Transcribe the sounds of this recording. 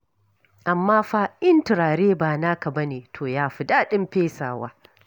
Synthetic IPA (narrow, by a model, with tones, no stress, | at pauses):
ʔa˨mːaː˦ɸaː˦ʔɪ˦ntɪ˨ɾaː˨ɽeː˦baː˨naː˦ka˨bɐ˦neː˨tʰoː˨jaː˦ɸɪ˨daː˦ɗɪ˦mɸeː˦sa̰ː˨wa̰ː˦